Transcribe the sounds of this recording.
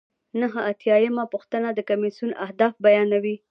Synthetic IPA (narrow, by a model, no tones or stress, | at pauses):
naɦəat̪jɑjəmapuxt̪ənad̪əkamisuna̰hd̪ɑfbajɑnawi